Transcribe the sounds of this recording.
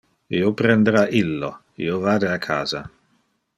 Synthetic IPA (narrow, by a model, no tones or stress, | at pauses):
ḭopɾend̪eɾaʔilːo̰ | ḭovaːd̪eakʰaːza